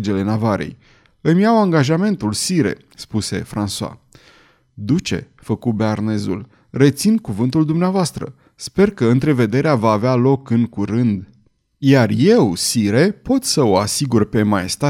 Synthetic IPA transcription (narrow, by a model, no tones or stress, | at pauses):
d͡ʒe̞le̞navaɾḛj | ɨmʲijawaŋɡaʒame̞nt̪ulsiɾe̞̰ | spuse̞̰fɾansua̰ | d̪ut͡ʃe̞̰ | fəkubearne̞zṵl | re̞t̪sinkuvɨnt̪uld̪umneavoast̪ɾə̰ | spe̞rkəɨnt̪ɾe̞ve̞d̪e̞ɾeavaːvealo̞kɨŋkuɾɨnd̪ | jarje̞wsiɾe̞po̞t̪səoasiɡurpe̞majest̪a